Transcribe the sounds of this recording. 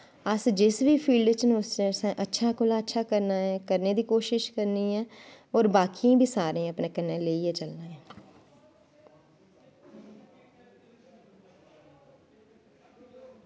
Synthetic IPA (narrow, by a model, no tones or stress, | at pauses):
əsd͡ʒɪsʋiːpʰiːlɖt͡ʃnʊsesɛ̃ʔətːʃʰaːkʊlaːətːʃʰaːkəɾnaːɛːkəɾneːd̪iːkoːʃɪʃkəɾniːɦɛː | ɔːɾbaːkiãːbʱiːsaːɾẽːəpneːkənːeːleːiɦɛt͡ʃəlnaːɦɛː